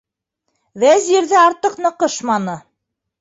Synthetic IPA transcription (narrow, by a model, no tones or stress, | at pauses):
ðæzjɘ̆ɾðɘɑɾt̪ɤqnɤ̆qɤʃmɑnɤ